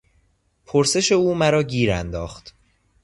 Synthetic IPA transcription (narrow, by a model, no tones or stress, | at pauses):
pʰoɾse̞ʃe̞uːmæɾɒːɟiːɾænd̪ɒːxt̪